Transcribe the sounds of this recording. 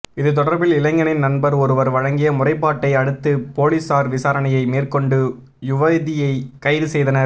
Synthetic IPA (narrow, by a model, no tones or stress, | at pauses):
ɪðɯt̪̬ɔɽɐɾbɪlɪlɐŋɡɐnɪnnɐnbɐɾɔɾɯʋɐɾʋɐɻɐŋɡɪjɐmʊrɐɪpːaːʈːɐɪɐɽɯt̪ːɯpoːlisaːɾʋɪsaːɾɐɳɐjɐɪmeːrkɔɳɖɯ | jʊʋɐðɪjɐɪkɐjɾɯsɛjðɐnɐɾ